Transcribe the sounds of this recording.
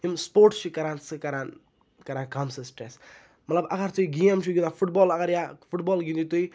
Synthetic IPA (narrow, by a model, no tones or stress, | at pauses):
imspoːɾʈt͡ʃʰikɐɾaːnsɨkɐɾaːn | kɐɾaːnkamsɐsʈɾes | mɐt̪lɐbɐɡɐɾt̪uiɡijɐmt͡ʃʰuɡʲinafʰuʈbɔːlɐɣɐɾjafʰuʈbɔːlɡĩnd̪it̪ui